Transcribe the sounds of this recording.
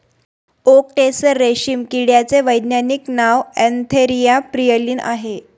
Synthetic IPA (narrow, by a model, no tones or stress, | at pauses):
ok̚ʈesəɾːeɕiːmkiɽjat͡seʋəjd̪njaniknaʋɛnt̪ʰeɾijapɾijəliːnʔa̰ɦe